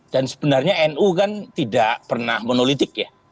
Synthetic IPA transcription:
d̥ansə̥bənarɲaɛnukant̪idaʔpərnahmənolit̪ɪk̚ja

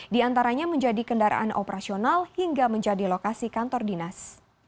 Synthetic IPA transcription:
diant̪aɾaɲaməɲd͡ʒadikəndaɾʔa̰ʔa̰nʔo̰pəɾasionalhiŋɡaməɲd͡ʒadilokasikant̪ɔrdinas

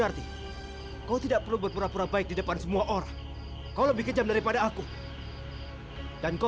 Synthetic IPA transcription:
ərt̪i | kaut̪idaʔpərlubərpuɾapuɾabaɪk̚didəpansəmuaʔoɾaŋ | kauləbihkəd͡ʒamdaɾipadaːku | d̥anka

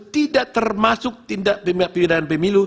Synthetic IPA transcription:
t̪idaʔt̪ərmasʊk̚t̪indaʔpəmiaʔpiidanpəmilu

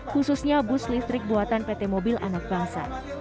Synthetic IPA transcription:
hususɲabʊslist̪ɾɪk̚buat̪anpet̪emobilʔa̰nak̚baɦasa̰

